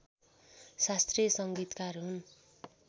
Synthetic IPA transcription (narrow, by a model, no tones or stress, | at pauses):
sast̪rijʌsʌŋɡit̪karɦun